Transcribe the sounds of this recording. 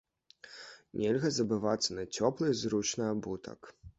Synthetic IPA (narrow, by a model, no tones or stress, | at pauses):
nʲɛlʲɣɐzɐbɨvat̪sːɐnɐt͡sʲɔplˠɨzɾut͡ʂnɨɐbut̪ʰɐ̰k